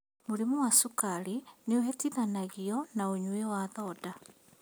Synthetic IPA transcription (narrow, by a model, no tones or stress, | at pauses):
moɾemuwasukaɾineoɦetinanaɣiɔnaoɲwewaðɔda